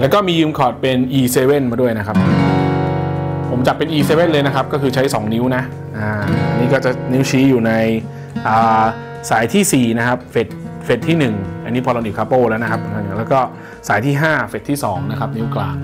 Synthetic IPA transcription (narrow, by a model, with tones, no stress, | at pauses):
lɛː˦˥wkɔː˥˩miː˧jɯː˧mkʰɔː˨˩t̪̚pe˧nʔiː˧seː˧we˥˩nmaː˧du˥˩əjna˦˥kʰa˦˥p̚ʔɯ˧˩ | pʰo˩˦mt͡ɕa˨˩pːe˧nʔiː˧seː˧we˥˩nlɤː˧jna˦˥kʰa˦˥p̚kɔː˥˩kʰɯː˧t͡ɕʰa˦˥jsɔː˩˦ŋni˦˥wna˦˥ʔ | ʔaː˧˩ʔa˧nːiː˦˥kɔː˥˩t͡ɕa˨˩ni˦˥wt͡ɕʰiː˦˥juː˨˩na˧j | ʔaː˨˩ | saː˩˦jt̪ʰiː˥˩siː˨˩na˦˥kʰa˦˥p̚fe˨˩t̪̚ | fe˨˩t̪ʰːiː˥˩nɯ˨˩ŋʔa̰˧nːiː˦˥pʰɔː˧lo˧nʔi˨˩kʰaː˧˥poː˥˩lɛː˦˥wna˦˥a˦˥pːe˧nka˧˩nɯ˨˩ŋlɛː˦˥kɔː˥˩ | saː˩˦jt̪ʰiː˥˩ɦaː˥˩fe˨˩t̪ʰːiː˥˩sɔː˩˦ŋna˦˥kʰa˦˥p̚ni˦˥wklaː˨˩ŋ